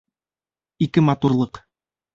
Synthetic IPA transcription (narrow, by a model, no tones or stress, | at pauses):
ikɘmɑt̪uɾlˠɤq